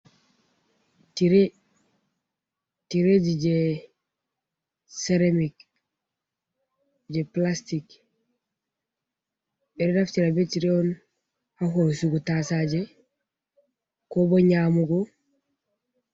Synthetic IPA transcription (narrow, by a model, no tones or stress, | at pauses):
tiɾe | tiɾeɟiɟe | seɾamik | ɟeplastik | eɾedaft͡ʃiɾabetiɾeon | haɦosuɡutasaɟe | kobaɲaːmuɡo